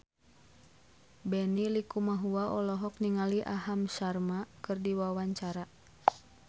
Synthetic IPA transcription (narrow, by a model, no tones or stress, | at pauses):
bɛnilikumaɦuaʔɔlɔɦɔk̚niŋaliʔaɦamsarmakɨrdiwawaɲt͡ʃaɾa